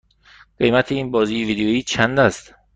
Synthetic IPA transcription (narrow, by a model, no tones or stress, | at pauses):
ɢ̥e̞jmæt̪ʰeiːnbɒːziːjeviːd̪ejoiːt͡ʃʰænd̪æst̪